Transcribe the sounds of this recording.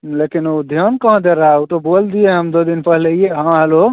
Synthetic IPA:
lekinod̪ʱjənkəɦd̪eɾəɦauʈobold̪ijeɦəmd̪od̪inpəɦilejeɦãɦelo

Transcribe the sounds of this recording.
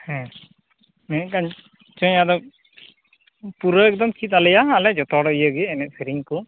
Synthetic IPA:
hɛ̃ | nɛnɛʔ̚kan | t͡ʃɔɲad̪ɔk̚ | puɾəɛk̚d̪ɔmkʰit̪̚alɛjaalɛd͡ʒɔt̪ɔɽɔjəɡɛɛnɛʔ̪̚sɛɾiŋkɔ

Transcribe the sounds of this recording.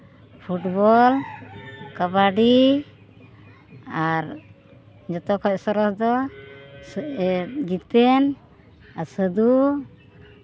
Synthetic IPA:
pʰuʈbɔl | kabaɖi | aɾ | d͡ʒɔt̪ɔkʰɔc̚sɔɾɔsd̪ɔ | s | ɡit̪ɛn | aɾsəd̪u

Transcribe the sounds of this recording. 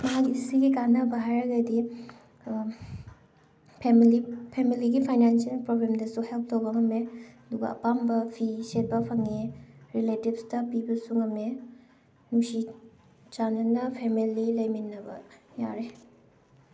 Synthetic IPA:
mɐɦakisiɡikanɐbɐɦajɾɐɡadi | pʰemilipʰemiliɡipʰajnansialpɾobɾemdɐsuhelp̚tobɐŋɐmeɐduɡɐ̰ɐ̰pambɐpʰiset̚bɐpʰaŋeɾiletibstɐpibɐsuŋɐme | nusi | t͡ʃanɐnɐpʰemililɐjminːɐbɐ̰ja̰ɾe

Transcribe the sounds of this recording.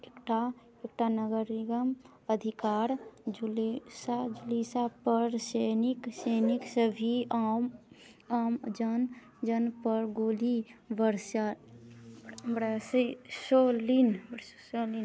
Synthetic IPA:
ekʈa | ek̚ʈanəɡəɾiɡəm | əd̪ʱikaːɾd͡ʒulsad͡ʒulisapəɾsenikseniksəbʱiam | amd͡ʒən | d͡ʒənpəɾɡolibəɾsa | bɽassolinbsolin

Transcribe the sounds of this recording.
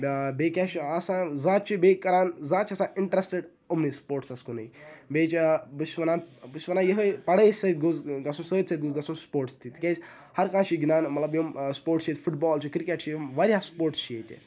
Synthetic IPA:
bbeːkʲãt͡ʃɐsãːzaːt̪̚t͡ʃʰibeːkɐɾaːnzaːt͡ʃʰiɐsãːiɳʈɾesʈeɖ | omnispoːɾʈsɐskunɐibeːt͡ʃibɨsʋɐnaːnbɨsʋɐnaːjɐɦəpɐɽeːsɐit̪̚ɡozɡɐsũnsəːd̪ʲsɐt̪ɡuzɡɐsunspoːɾʈst̪ʰit̪ikʲez | hɐɾkãːt͡ʃʰiɡinaːnmɐt̪lɐbjomspoːʈt͡ʃʰet̪ʲfʰuʈ̚bɔːlt͡ʃʰikɾikeʈt͡ʃʰijomʋaɾʲjaːspoːɾʈst͡ʃʰieːt̪ʲḭ

